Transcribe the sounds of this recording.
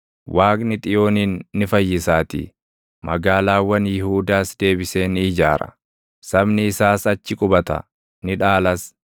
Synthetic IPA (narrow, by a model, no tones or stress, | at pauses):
wʔaːkʼnɪt̪ʼɪjo̞ːniːnːɪfɐjːɪsaːt̪ḭː | mʔɐɡaːlaːwɐnjɪhuːd̪aːsd̪e̞ːbɪse̞ːnɪːd͡ʒaːɾɐ̰ | sɐbnɪːsaːsɐt͡ʃːɪkʼʊbɐt̪ɐ̰ | nɪᶑaːlɐs